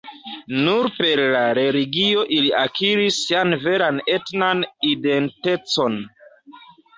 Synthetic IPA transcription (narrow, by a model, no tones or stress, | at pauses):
nuɾpe̞ɾlaɾe̞liɡio̞ʔiliʔakiɾisːianve̞ɾane̞tnanide̞nte̞t͡so̞n